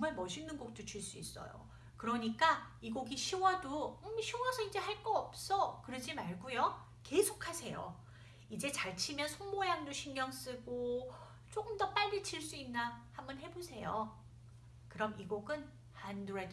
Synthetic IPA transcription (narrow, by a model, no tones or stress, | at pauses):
ʌŋmaɭmʌɕʰinːɯnɡok̚t͈ot͡ɕiɭs͈uis͈ʌ̰jo̰ | kɯɾʌɲik͈a | iɡoɡiɕʰiwʌdomɕʰiwʌsʰʌid͡ʑe̞haɭk͈ʌːp̚s͈ʌkɯɾʌd͡ʑimaɭɡujo | ke̞sʰokʰasʰe̞jo̰ | id͡ʑe̞t͡ɕaɭt͡ɕʰimjʌnsʰoŋbojaŋdoɕʰiŋɲjʌŋs͈ɯɡo | t͡ɕ͈ok͈ɯmdʌp͈aʎːit͡ɕʰiɭs͈uinːahambʌnɦe̞bosʰe̞jo | kɯɾʌmiɡoɡɯn | handuɾad